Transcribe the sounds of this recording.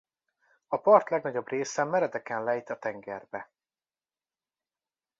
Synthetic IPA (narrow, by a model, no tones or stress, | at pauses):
ɒpɒrt̪lɛɡnɒɟo̞breːsɛmːɛɾɛd̪ɛkɛnlɛjit̪ɒt̪ɛŋɡɛrbɛ